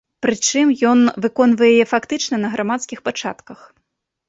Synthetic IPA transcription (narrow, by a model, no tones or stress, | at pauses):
pɾɨt͡ʂɨmjɔnvɨkɔnvɐjɛjjɛfakt̪ɨt͡ʂnɐnɐɣɾʔamat̪skʲixpat͡ʂa̰t̪kɐx